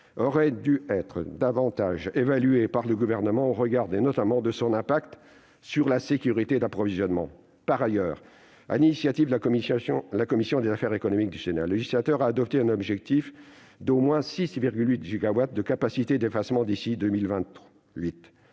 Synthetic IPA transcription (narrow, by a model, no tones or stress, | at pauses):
ɔʁɛd̪yɛt̪χə̰d̪avɑ̃t̪aʒevalyepaʁləɡuvɛʁnəmɑ̃ʁəɡaʁd̪enɔt̪amɑ̃d̪əsɔ̃nɛ̃pakt̪ | syʁlasekʲyʁit̪ed̪apχɔvizjɔnmɑ̰̃ | paʁajœːʁ | a̰linisjat̪iv | lakɔmisjɔ̃d̪ezafɛʁekɔnɔmik̚d̪ysena̰lɛʒislat̪œʁaːd̪ɔp̚t̪eɛ̃nɔbʒɛk̚t̪if | d̪omwɛ̃sisviʁɡʲylɥit̪ʒyɡawat̪̚d̪əkapasit̪ed̪efasmɑ̃d̪isid̪ømilvɛ̃t̪ | ɥit̪